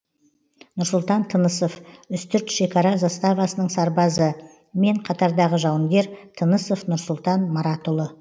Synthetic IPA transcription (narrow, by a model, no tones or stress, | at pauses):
nʊɾsʊlˠt̪ɑnt̪ʰənəso̞fʏst̪ʏɾt̪ʃe̞kɑɾɑzɑst̪ɑvɑsənəɴsɑɾbɑzə | me̞ɴqʰɑt̪ɑɾd̪ɑʁəʒɑwəŋɡʲe̞ɾt̪ʰənəsofnʊɾsʊlˠt̪ɑnmɑɾɑt̪ʊlˠə